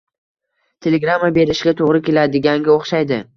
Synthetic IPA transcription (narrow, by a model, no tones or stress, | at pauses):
t̪ʰe̞leɡɾamːabe̞ɾɪʃɡʲat̪ʰoʁɾɪkʲʰe̞lad̪ɪɡʲaŋɡʲaoχʃajd̪ɪ